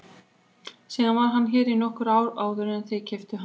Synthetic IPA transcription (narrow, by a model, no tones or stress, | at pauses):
sɛːɣanvaɾ̥ɦanːçɛːɾinɔhkʏɾaːwɾaːwðʏɾɛnθejcʰɛft̪ʏɦa